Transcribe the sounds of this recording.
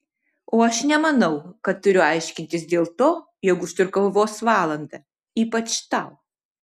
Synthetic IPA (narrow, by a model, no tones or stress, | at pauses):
oːɐʃnʲɛmɐnɐʊkɐt̪ːʊɾʲʊɐɪʃʲkʲɪnʲt̪ʲɪsd̪ʲeːlˠt̪oː | jokʊʃt̪ʲʊɾkɐlˠʋoːsʋɑːlˠɐnd̪ɐ | iːpɐt͡ʃt̪ɑʊ